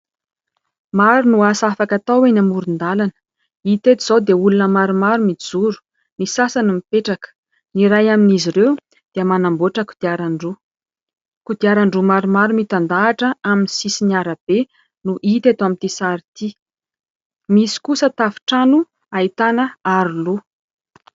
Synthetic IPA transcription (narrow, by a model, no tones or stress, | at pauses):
maɾunuasafakat̪awenamuɾund̪alanə̥ | it̪et̪iz̥awd̪eulunəmaɾumaɾumid͡zuɾu̥ | misasanumipeʈ͡ʂakə̥ | niɾajaminiziɾew | d̪̥eəmanamboʈ͡ʂəku̥d̪̥iaɾaɳɖ͡ʐu | kud̪iaɾaɳɖ͡ʐumaɾumaɾumit̪and̪aːʈ͡ʂəaminisisiniaɾəb̥e | nuʔit̪et̪amit̪isaɾit̪i | misi̥kusət̪afi̥ʈ͡ʂanu | ait̪anəaɾulu